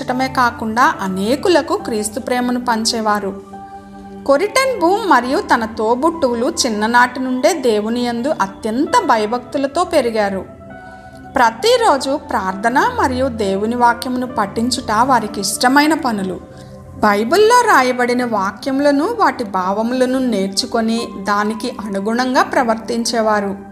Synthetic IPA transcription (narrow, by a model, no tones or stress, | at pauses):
ɐʈɐme̞ːkaːkuɳɖaːʔɐne̞ːkulɐkukɾiːst̪upɾɛːmɐnupɐɲt͡ʃɛːʋaːɾu | ko̞ɾiʈɐnbuːmːɐɾijut̪ɐnɐt̪o̞ːbuʈːuwulut͡ʃinːɐnaːʈinuɳɖe̞ːd̪e̞ːwunijend̪uʔɐt̪jɐnt̪ɐbʱɐjɐbʱɐk̚t̪ulɐt̪o̞ːpe̞ɾiɡaːɾu | pɾɐt̪iɾo̞ːd͡ʒupɾaːɾd̪ʰʱɐnɐmɐɾijud̪e̞ːwuniʋaːkjɐmnupɐʈːiɲt͡ʃuʈaːʋaːɾikiːʂʈɐmɐjnɐpɐnulṵ | bɐjbulːo̞ːɾaːjɐbɐɽinɐʋaːkjɐmlɐnuʋaːʈibʱaːʋɐmlɐnune̞ːɾt͡ʃuko̞nid̪aːnikiʔɐnuɡuɳɐŋɡaːpɾɐʋɐɾt̪iɲt͡ʃɛːʋaːɾu